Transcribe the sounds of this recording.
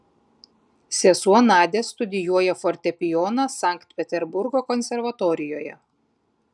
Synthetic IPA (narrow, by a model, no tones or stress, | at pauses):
sʲɛsuɔnɑːd̪ʲeːst̪ʊd̪ʲɪjuɔjɛfɔɾʲt̪ʲɛpʲɪjɔnɐsɑˑŋkt̪pʲɛt̪ʲɛɾbʊɾɡoːkɔnʲsʲɛɾʋɐt̪ɔːɾʲɪjoːjɛ̰